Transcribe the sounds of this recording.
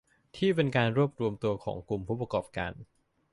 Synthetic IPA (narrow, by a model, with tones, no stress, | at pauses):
t̪ʰiː˥˩pe˧nkaː˧nɾu˥˩əp̚ɾu˧əmt̪u˧ɐkʰɔ̰ː˩˦ŋku˧mpʰuː˦˥˩p̬a˧kɔː˨˩p̚ka̰ː˧n